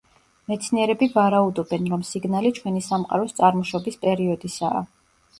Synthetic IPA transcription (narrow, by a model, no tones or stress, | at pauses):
mɛt̪sʰniɛɾɛbivaɾaud̪ɔbɛnɾɔmsiɡnalit͡ʃʰwɛnisamqʼa̰ɾɔst̪sʼaɾmɔʃɔbispʼɛɾiɔd̪isa̰ː